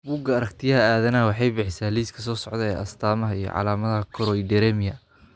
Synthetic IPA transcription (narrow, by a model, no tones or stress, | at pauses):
buːɡɐɐɾɐkt̪ʰɪjɐɦɐaːðɐnɐɦɐwɑħɑjbɪħɪsaːliːskʰɐsɔːsɔʕdðɛɛːʔɐst̪ʰaːmɐɦɐijɞ̰ʕɑ̰laːmɐðɐɦɐkʰɔɾɔid̪ɛɾɛmɪjɐ